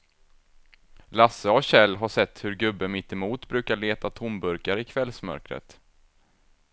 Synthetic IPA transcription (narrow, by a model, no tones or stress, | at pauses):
lasːəɔɕɛlːɦaʂɛt̪ːhɵɾɡɵbːəmɪt̪ːɛmuːt̪bɾʉ̟ːkaɭeːt̪at̪ʰʊmbɵɾkaɾɪkʰvɛlsmœ̰ɾkɾə̰t̪